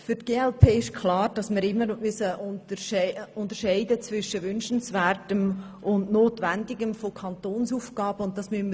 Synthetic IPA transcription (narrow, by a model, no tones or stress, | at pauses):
fʏtɡ̥eːɛlpʰeːɪʃkʰlɑːɾd̥ɑsmɪɾɪmːəɾmysəʔʊntəʃʊntəɾʃɛɪdət͡svɪʃəʋʏnʃən̩svɛːrtəm | ʊndnoːtʋændɪɡəmfokʰɑntoːnsuːfɡɑːb̥əʊnttːdɑsmyənmə